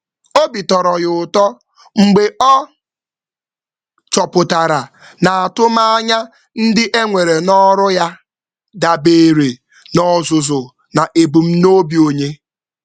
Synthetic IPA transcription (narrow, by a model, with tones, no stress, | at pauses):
o˦bi˨tɔ˨ɾɔ˨ɣʊ˨ʊ˨tɔ˦ | ŋ͡m̩˨ɡ͡be˨ʔɔ˦ | t͡ʃɔ˨pʊ˨ta˨ɾa˨ | na˨a˨tʊ˦ma˦a˦ɲa˦ | n̩˦dɪ˦ʔe˦ŋʷe˨ɾe˨nɔ˦ɾʊ˦ja˦ | da˨be˨ɾe˨ | nɔ˨zʊ˨zʊ˨ | na˨ʔe˨bu˨m̩˦no˦bi˨o˨ɲe˦